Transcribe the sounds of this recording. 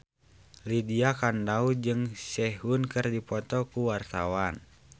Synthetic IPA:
lidiakandaud͡ʒɨŋsɛɦunkɨrdipɔt̪ɔkuwart̪awan

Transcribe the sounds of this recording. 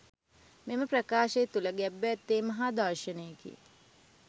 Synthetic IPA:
meməprɐkaːʃejːt̪uləɡɛbːt̪ːeːmɐɦad̪ɐrʃɐnəjəkḭ

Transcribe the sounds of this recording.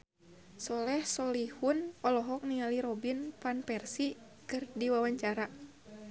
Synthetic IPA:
sɔlɛhsɔlihunɔlɔɦɔk̚niŋaliɾɔbinpanpɛrsi | kɨrdiwawaɲt͡ʃaɾa

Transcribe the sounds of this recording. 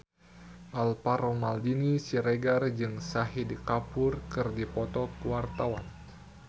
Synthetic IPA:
ʔalpaɾɔmaldinisiɾeɡard͡ʒɨŋsaɦidikapʊrkɨrdipɔt̪ɔkuwart̪awan

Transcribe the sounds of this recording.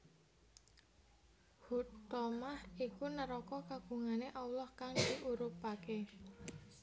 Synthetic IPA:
hut̪ɔmahikunəɾɔkɔkaɡ̥ṳŋaneʔawlɔhkaŋd̪̥iʔuɾupake

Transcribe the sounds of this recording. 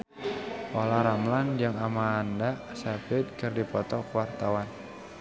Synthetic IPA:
ʔolaɾamland͡ʒaŋamaːndasapɪd̪̚kɨrdipɔt̪ɔkwart̪awan

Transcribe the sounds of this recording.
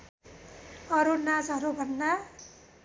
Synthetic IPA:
ʌɾunad͡zʌɾubʱʌnːa

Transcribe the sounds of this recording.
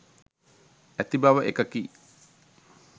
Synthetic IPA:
æt̪ibaʋəʔekəki

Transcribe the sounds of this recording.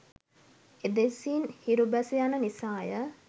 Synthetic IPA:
ed̪esinhiɾubæsejanənisaːjə

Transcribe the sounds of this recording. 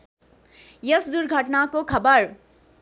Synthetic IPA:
jəsd̪uɾɡʱəʈnakokʰɐbəɾ

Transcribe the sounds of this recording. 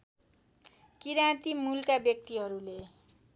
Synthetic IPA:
kiɾãt̪imulkabjʌk̚t̪iɦʌɾule

